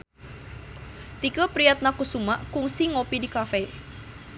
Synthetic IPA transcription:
t̪ikəpɾiat̪̚nakusumaʔkuŋsiŋopidikafe

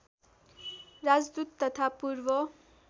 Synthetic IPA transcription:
rad͡zd̪ut̪ːʌt̪ʰapurbʌ

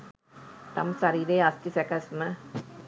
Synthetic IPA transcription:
t̪ɐ̰msɐɾiːɾeːɐst̪isɛkɐsmɐ

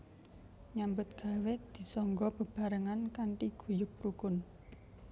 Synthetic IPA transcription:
ɲambʊt̪̚ɡ̥a̤wed̪̥i̤sɔŋɡɔb̥ə̤b̥a̤ɾəŋankaɳʈiɡ̥ṳjʊpɾuɡʊn

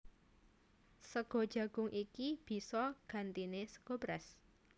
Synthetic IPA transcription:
səɡ̥ɔ̤̥ʒ̥ä̤ɡ̥ʊ̤ŋʔikib̥i̤sɔɡ̥ä̤nt̪inesə̥ɡ̥obɾɛs

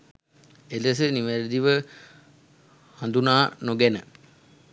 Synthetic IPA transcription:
ed̪əsəniʋæɾd̪iʋə | hand̪unaːnoɡenə̰

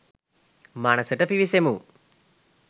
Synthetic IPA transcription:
maːnɐsɐʈɐfiʋisemu

